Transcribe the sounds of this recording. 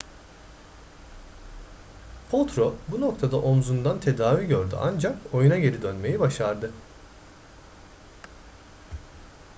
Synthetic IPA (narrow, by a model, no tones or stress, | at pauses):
pʰo̞lˠt̪ɾobuno̞k̚t̪ʰad̪aʔo̞mzund̪ant̪ʰe̞d̪aːviɟøɾd̪y̰ʔa̰nd͡ʒako̞junaɟe̞ɾid̪ønme̞jibaʃaɾd̪ɯ